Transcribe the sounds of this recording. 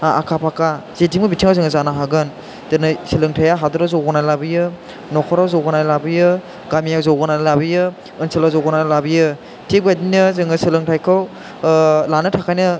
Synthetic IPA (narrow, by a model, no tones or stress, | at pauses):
a̰kʰapʰakazetʰimɡɯbitʰiŋawzɯŋɯzanaɦaɡɯn | dɯnɯsɯlɯŋtʰajaɦadɯɾazɔwɡɔnajlabijɯ | nɔkʰɔɾawzɔwɡɯnajlabɯjɯ | ɡamijawzɔwɡɔnalabɯjɯ | ɯnsɯlazɔwɡɔnajlabijɯ | tʰebajdinɯzɯŋɯsɯlɯŋtʰajkʰɯw | lanɯtʰakʰajnɯ